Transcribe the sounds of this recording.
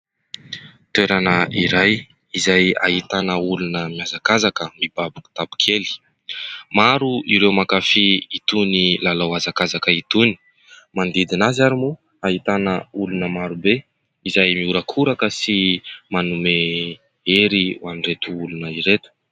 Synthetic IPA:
t̪weɾanəʔiɾaj | izaja̰ɦit̪anəulunəmiazakazakəmib̥abuku̥t̪abu̥kʰeli̥ | maɾuʔiɾewmakafiit̪unilalawazakazakəit̪uni̥ | mand̪id̪inazaɾimu | aɦit̪anəulunəmaɾube | izajmiuɾəkʰuɾakəsimanume | eɾiwaniret̪uulunəiɾet̪u̥

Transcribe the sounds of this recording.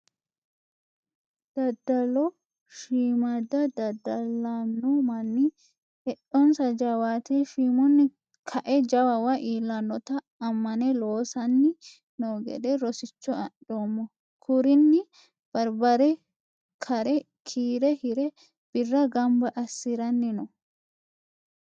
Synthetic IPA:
d̪̥ɐd̪ːɐlɔ | ʃiːmɐd̪ɐd̪ɐd̪ːɐlanːɔmɐnːɪ | hɛɗɔnsɐd͡ʒɐwaːt̪eʃiːmɔnːɪ | kʰɐʔɛd͡ʒɐwɐwɐʔiːlːɐnːɔt̪ɐː | mːɐnɛloːsɐnːɪ | noːɡɛ̰ᶑɛɾɔsɪt͡ʃːɔɐᶑoːmːɔ | kʰʊɾɪnːɪ | b̥ɐɾbɐɾɛ | kʰɐɾɛ | kʰiːɾɛhɪɾɛ | b̥ɪrːɐɡɐmbɐʔɐsːɪɾɐnːɪnɔ

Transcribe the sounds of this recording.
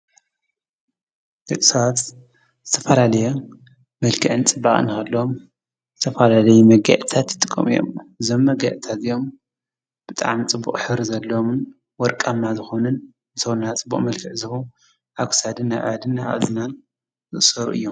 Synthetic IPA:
d̪ɨkʼsawat̪ | zɨt̪ʰɐfɐlalɐje | mɐlkʰɨʕɨnt͡sʼɨbːaχʼɨ̰nɨxɐlːɐom | zɨt̪ʰɐfalalɐjumɐɡa̰ʔt̪ʰat̪jɨt̪ʼɨkʼːɐ̰mijo̰mɨzo̞mːɐɡaʔt̪ʰat̪ɨjo̞m | b̥ɨt̪ʼa̰ʕmit͡sʼɨbːṵχʼħɨɾizɐlːomn | wɔɾkʼamːazɨxo̞nɨn | zɨt̪ʰɐwnat͡sʼɨbːṵχʼmɐlkʰɨʕzɨβu | ʔa̰ɡsad̪ɨnːaβʕa̰d̪ɨnːaβʔa̰zɨnan | zɨʔsɐɾṵʔɨ̰jːom

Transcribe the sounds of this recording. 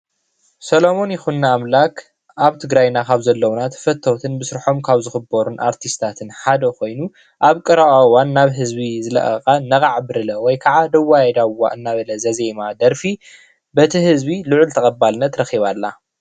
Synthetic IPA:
sɐlo̞mo̞njɪxunːaːmlak | ʔaβt̪ʰɨɡɾajnakʰaβzɐlːɐwnat̪ʰɐ̥fɐt̪ʰːowt̪ʰɨnbɨsɾħo̞mkʰaβzɨxɨbɐɾunʔaɾt̪ʰist̪ʰat̪ʰɨnħad̪ɐkʰo̞jnu | ʔaβkʼɨɾawawanːaβɦɨzbizɨlɐ̰ʔɐkʼɐnɐɣʼaʕbɨɾɨlɐwɔjkʰaʕad̪ɐwːajɛd̪awːa̰ʔɨnːaβɐlɐzɐze̞mad̪ɐɾfi | bɐt̪ʰihɨzbilɨʕʊlt̪ʰɐχʼɐbalnɐt̪ɾɐxiβalːa

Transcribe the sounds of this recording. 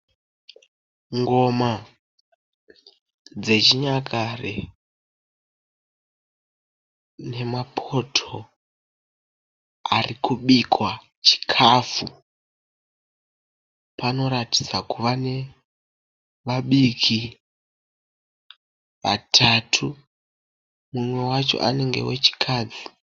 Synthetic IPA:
ŋɡo̞ma | d͡ze̞t͡ʃiɲakʰarḛ | ne̞mapʰo̞tʰo | arikuɓikwa | t͡ʃi̥kʰafu | pano̞ɾati̥d͡zakuʋane̞ | ʋaɓikʰi | ʋa̰tʰatʰu | mumwe̞wat͡ʃo̞̰ʔa̰ne̞ŋɡe̞̰wet͡ʃi̥kʰaːd͡zi

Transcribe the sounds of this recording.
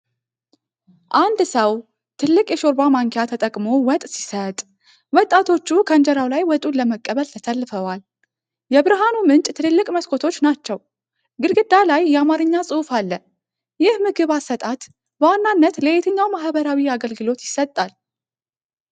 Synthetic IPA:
ʔand̪səw | t̪ʰɨlːɨkʼjɛʃo̞ɾbamaŋkʰejat̪ʰət̪ʼəkʼmo̞wɔt̪ʼsi̥sət̪ʼ | wɔt̪ʼːat̪ʰo̞t͡ʃːukʰənd͡ʒɛɾawlajwɔt̪ʼuləməkʼːəβəlt̪ʰət̪ʰəlːfəwal | jɛbɨɾɨɦanumɨnt͡ʃʼt̪ʰɨnɨlːɨkʼməskʰo̞t̪ʰo̞t͡ʃːnat͡ʃːɛw | ɡɨlɡɨd̪alajːɛamaɾɨɲːasʼɨfalːə | jɪhmɨɡɨβasːət̪ʼat̪ | bəwanːanːət̪ləet̪ʰɨɲːawmaɦbəɾawiaɡəlɡɨlo̞t̪jɪsət̪ʼːal

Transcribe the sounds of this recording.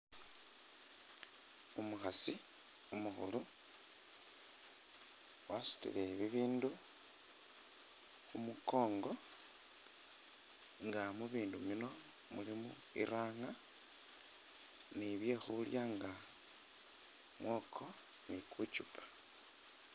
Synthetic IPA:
umuxasiumuxṵlu | wasi̥tḭle̞βiβiːndu | xumuko̞ːŋɡo̞ | ŋɡamuβiːndumino̞mulimṵḭɾaːŋa | niβje̞xuljaŋɡa | mwo̞ːkʰo̞nikut͡ʃupʰḁ

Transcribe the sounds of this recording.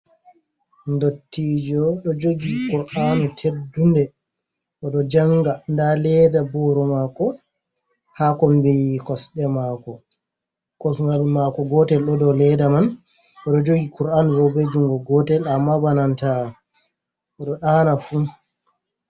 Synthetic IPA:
ndotːid͡ʒɔɗɔd͡ʒoɡikuɾʔanutʰedundɛ | ʔɔɗɔd͡ʒaŋɡandalɛdabɔɾɔmakɔ | hakɔmbijkɔsɗɛmaːkɔ | kɔsŋɡalmakɔɡɔtɛlɗɔdɔlɛdaman | ɔɗɔd͡ʒoɡikuɾanuɗɔbed͡ʒuŋɡɔɡɔtɛlamabananta | ʔɔɗɔɗanafu

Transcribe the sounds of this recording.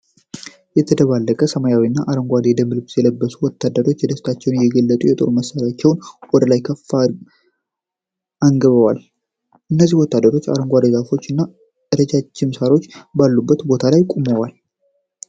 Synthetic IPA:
jɛt̪ʰəd̪əβalːəkʼəsəmajawiɨnːaʔaɾəŋɡʷad̪ed̪əmɨlɨbsjɛləbːəsuwɔt̪ʰːad̪ːəɾo̞t͡ʃːjɛd̪əft̪ʰat͡ʃːɛwnjɛɡəlːət̪ʼujɛt̪ʼo̞̰ɾuməsːaɾjat͡ʃːɛwnwɔd̪əlajkʰəfːa | aŋɡəβəwal | ʔɨnːəzːihwɔt̪ːad̪ːəɾo̞t͡ʃːa̰ɾəŋɡʷad̪ed͡ʒafo̞t͡ʃːɨnːa | ʔɨɾəd͡ʒat͡ʃːɪmsaɾo̞t͡ʃːbalːubːət̪bo̞t̪ʰalajkʼuməwal

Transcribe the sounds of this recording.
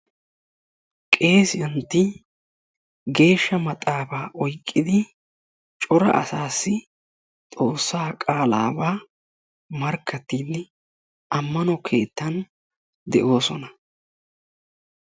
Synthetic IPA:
kʼe̞ːsɪjɐnt̪ːɪ | ɡe̞ːʃːɐmɐt̪ʼaːbaːʔɔjkʼːɪd̪ɪ | t͡ʃʼɔɾɐ̰ʔɐ̰saːsːɪ | t̪ʼo̞ːsːaːkʼaːla̰ːbaː | mɐɾkʰːɐt̪ːiːd̪ɪ | ɐmːɐnɔkʰe̞ːt̪ːɐn | d̪ɛʔo̞ːsɔnɐ

